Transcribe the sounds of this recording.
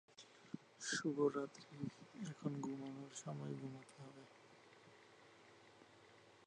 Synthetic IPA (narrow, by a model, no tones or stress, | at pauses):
ʃubʱoɾːat̪ɾiɛkʰonɡumonoɾʃɔmɔeɡʱumat̪ʰeɦɔbe